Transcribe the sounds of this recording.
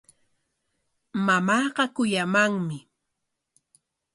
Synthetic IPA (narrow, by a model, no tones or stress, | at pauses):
mamɑːɢɑkʊjamaŋmɪ